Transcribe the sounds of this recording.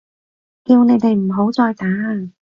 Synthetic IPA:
ki˧wne˨˧jt̪e˨jm̩˨˩ɦo˨˥wt͡sɔː˧jt̪aː˨˥ŋ

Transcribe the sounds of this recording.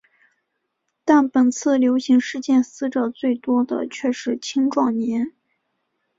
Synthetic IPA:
t̪a˥˩npə˨˩nt͡sʰɹ̩˥˩ljo˧˥ʊɕi˧˥ŋʂɻ̩˥˧t͡ɕjɛ˥˧nsɹ̩˥ʈ͡ʂɤə˨˩t͡swe˥˩ɪt̪wɔ˥d̪ə̰˨t͡ɕʰɥɛ˥˧ʂɻ̩˥˩t͡ɕʰi˥ŋʈ͡ʂwɑ˥˩ŋnjɛ˧˥n

